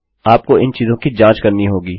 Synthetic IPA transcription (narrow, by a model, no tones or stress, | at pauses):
aːp̚koɪnt͡ʃiːzõkid͡ʒãːt͡ʃkɐɾniɦoːɡiː